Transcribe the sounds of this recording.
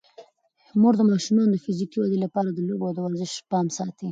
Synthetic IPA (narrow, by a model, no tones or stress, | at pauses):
moɾd̪əmɑʃumɑnod̪əfizikiwad̪ilapɑɾad̪əlobod̪əwaɾzɪʃpɑmsɑt̪i